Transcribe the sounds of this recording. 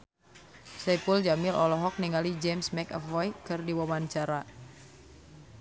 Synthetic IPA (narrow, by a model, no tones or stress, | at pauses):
sɛpuld͡ʒamɪlʔɔlɔɦɔk̚niŋalid͡ʒɛmsmɛkɔ̰fɔjkɨrdiwamant͡ʃaɾa